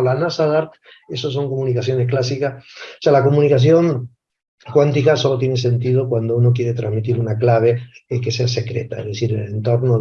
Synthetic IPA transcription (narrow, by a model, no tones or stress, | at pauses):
lanasaðaɾt̪ | e̞sos̬o̞ŋkomunikaθjo̞nehklas̬ikaosealako̞mũnikaθ̬jo̞ŋ | kwant̪ikasolo̞t̪je̞nese̞nt̪ið̞okwand̪ouno̞k̬je̞ɾe̞t̪ɾazmit̪iɾunaklaβ̞eeke̞sease̞kɾe̞̰t̪a̰ezðe̞θiɾelent̪o̞ɾno